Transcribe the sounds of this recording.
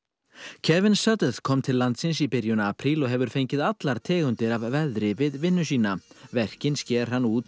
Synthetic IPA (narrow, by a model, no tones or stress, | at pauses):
cʰɛvɪnsœt̪əð̥kʰɔmt̪ʰɪlːant̪sɪnsipɪɾjʏnaapʰɾilɔɣɦɛvʏɾ̥fejɲcɪðat̪laɾ̥t̪ʰɛːɣʏnt̪ɪɾavvɛðɾɪvɪðvɪnːʏsiːnavɛr̥cɪnscɛːɾ̥ɦanːuːt̪